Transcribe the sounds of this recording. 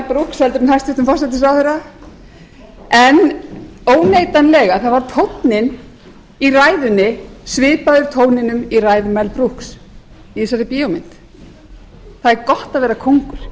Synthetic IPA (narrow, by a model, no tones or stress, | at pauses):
pɾuhkshɛlt̪ʏɾmnajst̪vɪht̪ʏmfɔrsat̪̬ɪsawθɛɾa | ɛnoːwnejt̪anlɛːɣaθaðvaɾt̪ʰowt̪nɪn | iraːjðʏnːɪsvɪːpaðʏɾt̪ʰoːwnɪnʏmiraːjðʏmɛlpɾuhks | iɪsaɾɪpiːɔmɪn̥t̪ | θaðɛɾkɔht̪aðvɛːɾakʰowŋkʏɾ̥